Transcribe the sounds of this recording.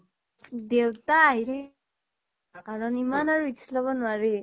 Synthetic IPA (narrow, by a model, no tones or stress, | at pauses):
dewtaːɦiɾɛ | kaɹɔnimanaɹuisʰlɔβɔnʊaɹe